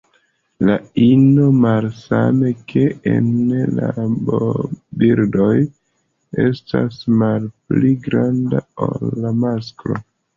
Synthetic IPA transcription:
lainomalsame̞kʰe̞enlabobiɾdo̞j | e̞sta̰smalpliɡɾandaolːamaskɾo̞

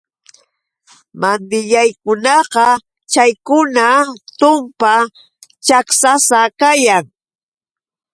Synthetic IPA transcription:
mand̪ɪʎajkʊnɑqɑ | t͡ʃajkʊnat̪ʊmpa | t͡ʃaksasakajaŋ

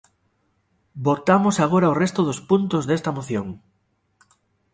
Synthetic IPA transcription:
bot̪amosaɣ̞oɾaorest̪oðospunt̪ozðest̪ɐmoθjoŋ

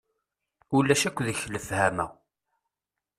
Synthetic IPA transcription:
ulːæʃækʷːðəçːləfhæmæ̰

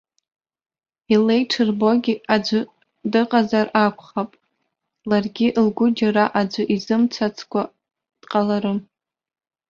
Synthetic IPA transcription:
ile̞jʈ͡ʂʰɨrbo̞ɡʲiad͡ʒʷʊ | dɨqʼazarakʷʰʼχapʼ | larɡʲiʔlɡʷʊd͡ʒaɾaʔad͡ʒʷʊʔizɨmt͡sʰat͡sʰkʷa | d̥qʼalaɾɨ

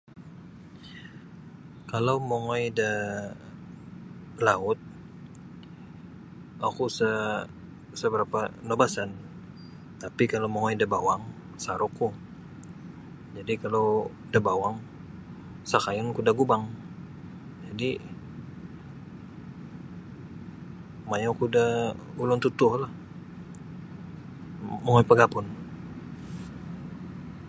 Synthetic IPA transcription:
kalawmoŋojdə | laʊt̪̚ | akusa | səbəɾapanobasan | t̪apikalawmoŋojidabawaŋ | saɾuku | d͡ʒadikalaw | dabawaŋ | sakajʊnkudaɡubaŋ | d͡ʒadi | majokudaulʊnt̪ut̪ʊhlah | məŋoipəɡapʊn

